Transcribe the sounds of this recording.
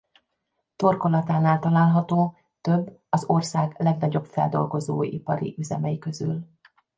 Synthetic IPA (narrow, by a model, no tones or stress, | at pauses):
t̪o̞rko̞lɒt̪aːnaːlt̪ɒlaːlɦɒt̪oː | t̪øbːɒzo̞rsaːɡlɛɡnɒɟo̞pfɛ̰ld̪o̞̰lɡo̞zoːipɒɾḭʔyzɛ̰mɛjikø̞zy̰l